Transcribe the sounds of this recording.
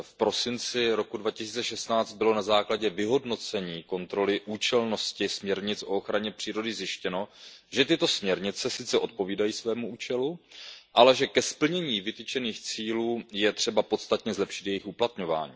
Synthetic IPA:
fpɾo̞sɪnt͡sɪɾo̞kudvacɪsiːt͡sɛʃɛst̪naːt͡st̪̚bɪlo̞nazaːklaɟɛvɪɦo̞dno̞t͡sɛɲiːko̞nt̪ɾo̞lɪʔuːt͡ʃɛlno̞scɪsmɲɛɾɲɪt͡sʔo̞oxɾaɲɛpr̝̥iːɾo̞dɪzjɪʃcɛno̞ʒɛt̪ɪt̪o̞smɲɛɾɲɪt͡sɛsɪtt͡sɛʔo̞t̪̚po̞viːdajiːsvɛːmuuːt͡ʃɛluʔalɛʒɛkɛspl̩ɲɛɲiːvɪt̪ɪt͡ʃɛniːxt͡siːluːjɛt̪r̝̥ɛbapo̞t̪st̪at̪ɲɛzlɛpʃɪ̥t̪jɛjɪxuplat̪ɲo̞va̰ːɲḭː

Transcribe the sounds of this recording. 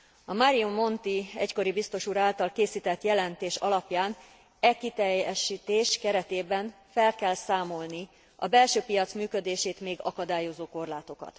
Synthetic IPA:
ɒmaɾijumːo̞nt̪iɛ̰cko̞ɾibist̪o̞ʃuːɾaːlt̪ɒlkeːsiːt̪ɛt̪jɛlɛnt̪eːʃɒlɒpjaːn | ɛkit̪ɛjɛʃit̪eːʃkɛɾɛt̪eːbɛɱ | fɛlkɛlsaːmo̞lni | ɒ̰bɛlʃøːpijɒt̪smyːkø̞d̪eːʃeːt̪meːɡɒkɒd̪aːjo̞zoːko̞rlaːt̪o̞kɒ̰t̪

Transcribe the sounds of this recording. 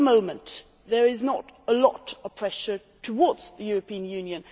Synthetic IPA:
əmõʊ̃mə̃n | ðə˞ɪznəɾəlɔ̰ɾəv̥pʰɹ̥ɛʃə˞ | tʰəwɔːdz̥ðɨjʊɹəpʰĩə̃njʉ̃njɨ̃n

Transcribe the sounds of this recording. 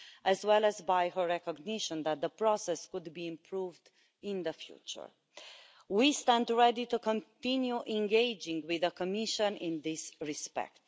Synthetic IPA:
ʔæzwɛlæzbajhəɹɹɛkɔɡnɪʃə̃nd̪æt̪̚dðəpɹɔsɛskud̪biĩmpʰɹuvd | ɪ̃nðəfjṵt͡ʃə̰˞ | wistæ̃ndɹɛditukɔ̃ntĩnjuʔɛ̃ŋɡeɪd͡ʒɪ̃ŋɡwɪðəkɔmɪʃə̃nɪ̃nðɪsɹispɛ̰k̚t

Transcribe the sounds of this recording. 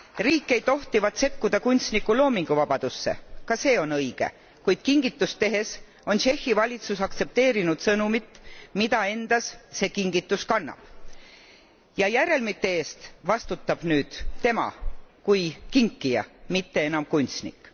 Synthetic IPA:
riːkːˑe̞jd̪o̞ht̪ivɑt̪se̞kːud̪̥ɑkunʲt̪snikːulo̞ːmiŋɡ̥uvɑb̥ɑd̪̥usːe̞̰kɑse̞ːo̞nɤjɡ̥e̞̰ | kujd̪̥kiŋɡit̪ːˑust̪e̞ɦe̞s | o̞nʃe̞xːivɑlʲit̪susɑkt̪se̞p̚t̪e̞ːɾinud̪̥sɤnumit̪ːmid̪̥ɑe̞nd̪̥ɑsːe̞kiŋɡit̪ːˑuskɑnːɑ̰b̥ | jɑjæɾe̞lmit̪ːeeːst̪vɑst̪ut̪ːɑb̥nyːd̪̥t̪e̞mɑ̰kujkiŋkːijɑ̰mit̪ːe̞enɑmkunʲt̪snḭkˑː

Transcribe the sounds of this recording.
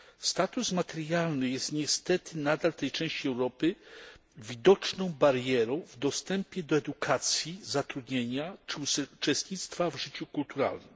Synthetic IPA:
st̪at̪usmat̪ɛɾjalnɘjɛst̪ɲɛst̪ɛt̪ɘnad̪alft̪ɛjt͡ʂɛ̃ɕt͡ɕiɛwɾɔpɘ | vʲid̪ɔt͡ʂnɔ̃w̃baɾjɛɾɔ̃w̃vd̪ɔst̪ɛmpʲjɛd̪ɔɛd̪ukʰat̪sʲjizat̪ɾud̪ɲeɲat͡ʂɘut͡ʂɛst̪ɲit̪st̪favʐɘt͡ɕukult̪uɾa̰lnɘm

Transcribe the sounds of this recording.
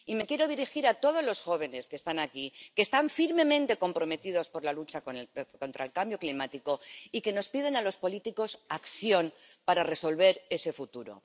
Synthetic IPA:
ime̞kje̞ɾo̞ðiɾixiɾat̪o̞ð̞ozlo̞sxo̞β̞e̞ne̞skest̪anakike̞ːst̪aɱfiɾmẽ̞mẽnt̪e̞ko̞mpɾo̞me̞t̪ið̞o̞spo̞ɾlalut͡ʃakoko̞nt̪ɾaelkambjo̞klimat̪iko̞ike̞no̞spið̞e̞nalo̞spo̞lit̪iko̞sakθjo̞npaɾare̞so̞lβe̞ɾe̞se̞fut̪uɾo̞̰

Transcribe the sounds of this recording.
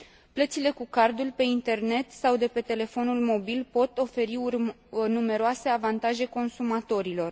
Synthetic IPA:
plət̪sile̞kukard̪ulʲpe̞int̪e̞rne̞t̪sawd̪e̞pe̞t̪e̞le̞fo̞nulmo̞bilpo̞t̪o̞fe̞ɾiur | nume̞ɾoase̞avant̪aʒe̞ko̞nsumat̪o̞ɾilo̞r

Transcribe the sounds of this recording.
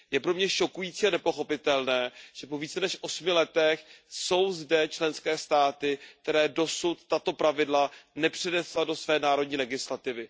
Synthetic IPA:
jɛpɾo̞mɲɛʃo̞kujiːt͡siːanɛpo̞xo̞pɪt̪ɛlnɛːʒ̥ɛpo̞viːt͡sɛnɛʃʔo̞smɪlɛt̪ɛxso̞wzdɛt͡ʃlɛnskɛːst̪aːt̪ɪk̚t̪ɛɾɛːdo̞sut̪ːat̪o̞pɾavɪdlanɛpr̝̥ɛnɛslado̞svɛːnaːɾo̞d̚ɲiːlɛɡɪslat̪ɪvɪ

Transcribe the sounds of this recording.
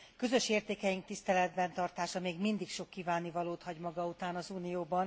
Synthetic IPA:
kø̞zø̞ʃeːrt̪eːkɛjiŋk̚t̪ist̪ɛlɛd̪bɛnt̪ɒrt̪aːʃɒmeːɡmind̪ikʃo̞kːiːvaːnivɒloːt̪hɒɟmɒɡɒut̪aːnɒzuːnijoːbɒn

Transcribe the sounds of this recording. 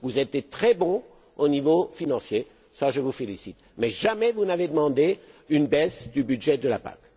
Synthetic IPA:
vuzɛt̪et̪χɛbɔ̃ | onivofinɑ̃sje | saʒəvufelisit̪mɛʒamɛvunaved̪əmɑ̃d̪eynbɛsd̪ybyd̪ʒɛd̪əlapa̰k

